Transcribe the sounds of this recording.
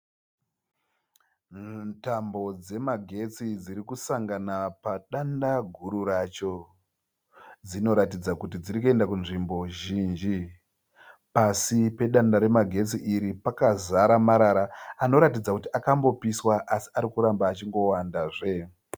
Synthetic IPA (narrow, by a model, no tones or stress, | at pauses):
tambo̞d͡ze̞maɡʱe̞t͡sid͡ziɾikusaŋɡanapaɗandaɡʱuɾurat͡ʃo̞ | d͡zino̞ɾatid͡zakutid͡ziɾikue̞ndakunʐimbo̞ʒiːnd͡ʒi | pasipe̞ɗandaɾe̞maɡʱe̞t͡siʔiɾipakazaɾamaɾaɾaːno̞ɾatid͡zakutiʔakambo̞piswaʔasi̥aɾikuɾambaːt͡ʃiŋɡo̞wandaʐe̞